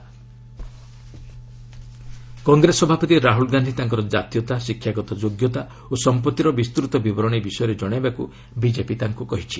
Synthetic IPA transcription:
kɔŋɡɾesɔbʱapɔt̪iɾaɦulɡand̪ʱit̪aŋk̬ɔɾɔd͡ʒat̪jɔt̪asikʰːjaɡɔt̪ɔd͡ʒoɡjɔt̪a | osɔmpɔt̪ːiɾɔbist̪ɾut̪ɔbibɔɾɔɽ̃ibisɔjɔɾed͡ʒɔɽ̃ebaku | bid͡ʒepit̪aŋkukɔɦit͡ʃʰi̥

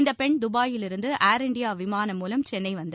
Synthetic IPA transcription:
ɪnd̪ɐpɛɳd̪ʊbaːjɪlɪɾɯnd̪ɯʔaːɾɪɳɖɪjaːʋɪmaːnɐmːuːlɐmt͡ʃɛnːɐɪʋɐnd̪ɐ

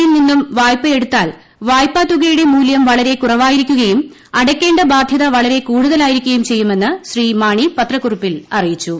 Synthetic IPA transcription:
ilninːumʋaːjpːɐe̞ɽut̪ːaːl | ʋaːjpːaːt̪ːuɣɐjuɽe̞muːljɐmʋɐɭɐɾe̞kurɐʋaːjiɾikʲːuɣɐjum | ɐɽɐkʲːe̞ːɳɖɐbaːd̪ʱjɐðɐʋɐɭɐɾe̞kuːɽuðɐlaːjiɾikʲːɐjumt͡ɕe̞jːume̞nːɨɕriːmaːɳipɐt̪rɐkːurupːilɐrijit͡ɕːu

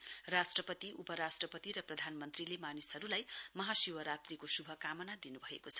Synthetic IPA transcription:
rasʈrʌpʌt̪iʔupʌɾasʈrʌpʌt̪iɾʌprʌd̪ʱanmʌnt̪rilemanisʌɾulajmʌɦasiwʌɾat̪rikosubʱʌkamʌnad̪inubʱʌḛkot͡sʰʌ̥

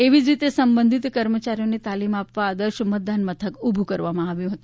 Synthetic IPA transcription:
eʋid͡ʒɾit̪esəmbənd̪ʱit̪kəɾmət͡ʃaɾijonet̪alimapʋaːd̪əɾʃəmət̪̚d̪anmət̪ʰəkubʱukəɾʋamãaʋjũɦət̪ũ

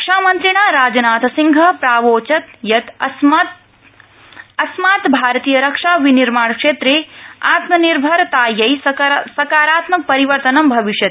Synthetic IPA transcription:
kʂaːmɐnt̪ɾiɳ̃aːɾaːd͡ʒɐnaːt̪ɐsiŋɡʱɐpɾaːʋoːt͡ʃɐt̪jɐt̪ | ɐsmaːt̪bʱaːɾɐt̪iːjɐɾɐkʂaːʋiniɾmaːɳkʂeːt̪ɾeːaːt̪mɐniɾbʱɐɾt̪aːjɐjssɐkaːɾaːt̪mɐk̚pɐɾiʋɐɾt̪ɐnɐmbʱɐʋiʂjɐt̪

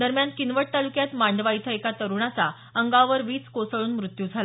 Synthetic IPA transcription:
d̪əɾmjankinʋəʈ̚t̪alukjat̪maɳɖʋait̪ʰəekat̪əɾuɳat͡sa | əŋɡaʋəɾʋiːt͡skosəɭuːnmɾut̪jud͡zʱal

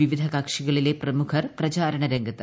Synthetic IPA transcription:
ʋiʋid̪ʱɐkaːkʂiɣɐɭileprɐmukʰɐrprɐt͡ɕaːɾɐɳɐɾeŋɡɐt̪ːɨ

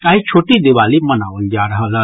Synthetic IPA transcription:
kaːɦit͡ʃʰoːʈid̪iʋaːlimənaːʋəld͡ʒaːɾəɦəla

